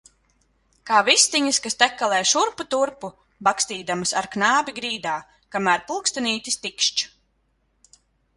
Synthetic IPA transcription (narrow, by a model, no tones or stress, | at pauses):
kaːvist̪iɲɐskast̪ɛkːalˠɛːjʃuɾput̪uɾpu | bakst̪iːd̪amɨsaɾknaːbʲiɡɾiːd̪aː | kamæːɾpulˠkst̪aniːt̪ʲist̪ikʃt͡ʃ